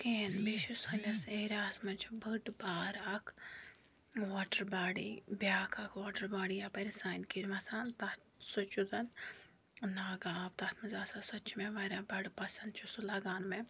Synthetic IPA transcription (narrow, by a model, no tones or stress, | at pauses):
keːnbiʃusɐnɐseːɾʲaːsmɐt͡ʃʰbʱəʈbaːɾɐkʰ | ʋaːʈəɾbaːɽibʲjaːkʰɐkʰʋoːʈɐɾbaːɽijapɐɾisaːjnkiɾmɐsaːnt̪ɐt̪ | sɐt͡ʃuzɐn | naːɡaːbt̪ɐt̪ʰmɐzaːsasɐt͡ʃʰmẽʋɐɾʲabɐɖpɐsɐnd̪t͡ʃʰusulɐɡaːnme